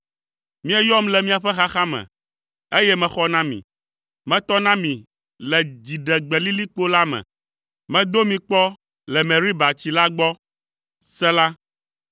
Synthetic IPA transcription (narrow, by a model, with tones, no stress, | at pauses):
mĩ˦ɛ˦jɔ˦mlɛ˨mĩ˦a˨ɸɛ˦xa˦xa˦mɛ̰̃˨ | e˦jɛ˦mɛ̃˨xɔ˦nã˦mḭ̃˨ | mɛ̃˦t̪ɔ˦nã˦mĩ˨ | lɛ˨d͡ʑi˨ɖɛ˨ɡ͡bɛ˨li˦li˦k͡po˦la˦mɛ̰̃˨ | mɛ̃˦d̪o˦mĩ˨k͡pɔ˦ | lɛ˨mɛ̃˨ɾi˦ba˨t͡ɕi˦la˦ɡ͡bɔ˦ | sɛ˦la˦